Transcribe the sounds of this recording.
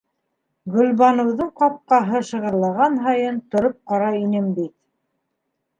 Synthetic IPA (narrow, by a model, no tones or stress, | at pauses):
ɡɵ̆lβɑnɤ̆wðɤɴqɑp̚qɑɦɤʃɤ̆ʁɤ̆ɾlˠɑʁɑnɦɑjɤnt̪ŏɾop̚qɑɾɑinɘmbit̪̚